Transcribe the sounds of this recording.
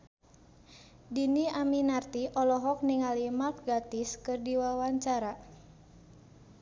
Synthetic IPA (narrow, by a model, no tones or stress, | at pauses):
diniaminart̪iʔɔlɔɦɔk̚niŋalimat̪̚ɡat̪iskɨrdiwawaɲt͡ʃaɾa